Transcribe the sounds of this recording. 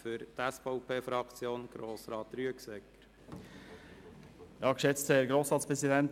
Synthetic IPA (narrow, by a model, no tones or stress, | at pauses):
fʏɾt̪æsfɔʊpʰeːfɾɑkt͡sjoːnɡ̥ɾoːsɾɑːt̪ɾyəksɛkəɾ | j̪ɑːkʃɛt̪t͡sst̪hɛɾɡɾoːsɾɑːt̪spʰɾɛsɪd̪ɛnt̪